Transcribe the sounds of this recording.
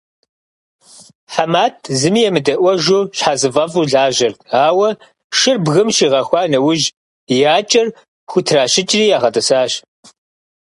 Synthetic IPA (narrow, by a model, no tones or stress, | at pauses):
ħamaːtʰzɨmijɛmɨdɐʔʷɔʒuɕħazɨvɐvuɮaːʑɐrtʰaːwɐ | ʃɨrbɣɨmʃiːʁɐxʷɑːnɐwʊʒ | jaːt͡ʃʼɪr | xʷʊtʰraːɕɪt͡ʃʼriːjaːʁɐtʼɐsaːɕ